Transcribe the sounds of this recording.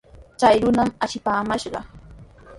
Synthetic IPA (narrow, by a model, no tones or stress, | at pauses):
t͡ʃajɾʊnamaʃɪpaːmaʃɢɑ